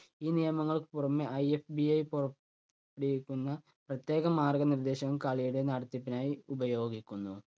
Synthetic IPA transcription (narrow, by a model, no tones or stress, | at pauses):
iːnijɐmɐŋːɐɭpurɐmːeʔɐjefbiɐjpurɐː | ɽikʲːunːɐ | prɐt̪je̞ːɣɐmaːrɡɐnird̪e̞ːɕɐɣɐmkaːɭijuɽenɐːɽɐt̪ːjipːinaːjiubɐjo̞ːɡikʲːunːu